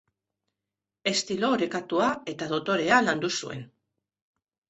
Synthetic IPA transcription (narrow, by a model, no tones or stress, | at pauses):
e̞st̪ilo̞ɾe̞kat̪uae̞t̪að̞o̞t̪o̞ɾe̞aland̪usṵe̞̰n